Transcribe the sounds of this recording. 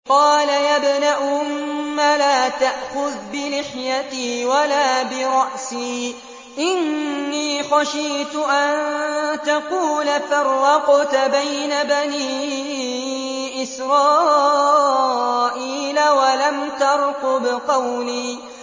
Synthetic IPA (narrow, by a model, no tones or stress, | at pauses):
qɑːlajabɪnaʔʊmːalaːt̪aʔxʊðbɪlɪħjat̪iːwalaːbɪɾˤɑʔsiː | ʔɪnːiːxaʃiːt̪ʊʔant̪aquːlafɑɾˤːɑqʊt̪bajnabaniː | ʔɪsɾˤɑː | ʔiːlawalamt̪ɑɾˤqʊbɪqɑwliː